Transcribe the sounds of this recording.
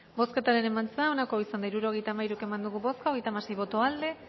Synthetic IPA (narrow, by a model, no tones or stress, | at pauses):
bo̞ske̞t̪aɾe̞ne̞mant͡seao̞nako̞isand̪aiɾuɾo̞ɣe̞jt̪aːmaiɾueke̞mand̪uɣuβo̞skao̞ɣejt̪amase̞jβo̞t̪oald̪e̞